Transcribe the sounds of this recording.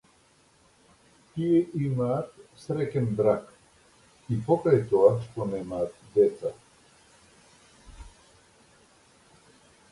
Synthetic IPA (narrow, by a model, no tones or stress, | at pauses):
t̪ijeʔimaːt̪sɾɛkʲɛnb̪ɾak | ipokat̪oaʃt̪onɛmaːt̪d̪ɛt̪sa